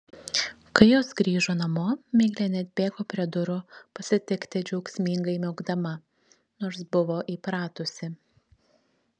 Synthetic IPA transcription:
kɐɪjoːsɡɾʲiːʒoːnɐmoːmʲeːɡlʲɛnʲɛt̪̚ʲbʲeːɡoːpʲɾʲiɛd̪ʊɾʊpɐsʲɪt̪ʲɪkt̪ʲɪd͡ʒʲɛʊksʲmʲiŋɡɐɪmʲɛʊɡd̪ɐmɐ | noːɾsbʊʋoːʔiːpɾɑːt̪ʊsʲɪ

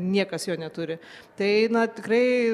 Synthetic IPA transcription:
nʲiɛkɐsjoːnʲɛt̪ʊɾʲɪt̪ɐɪnɐt̪ʲɪkrɐɪ

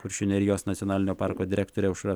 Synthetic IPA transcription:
kʊɾʲʃʲʊnʲɛɾʲɪjoːsnɐt̪ʲɔnɑːlʲɪnʲoːpɑːˑɾkoːd̪ʲɪɾʲɛkt̪oːɾʲɛʊʃɾɑ

